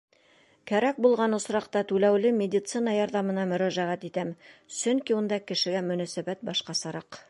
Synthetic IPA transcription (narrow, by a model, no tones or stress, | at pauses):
kæɾæk̚bulˠʁɑnŏsɾɑqt̪ɑt̪ʉlæwlɘmʲed̪ʲit̪sɨnɑjɑɾðɑmɤ̆nɑmɵ̆ɾæʒæʁæt̪it̪æmsɵŋkʲiwŏnd̪ɑkɘ̆ʃɘ̆ɡæmɵ̆næsæbæt̪̚bɑʃqɑsɑɾɑq